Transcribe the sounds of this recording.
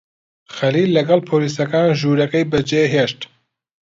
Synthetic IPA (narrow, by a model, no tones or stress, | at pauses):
xɛliːlːɛɡɛlpʰoːliːsɐkɑːnʒuːɾɛkejbəd͡ʒeːɦeʃt̪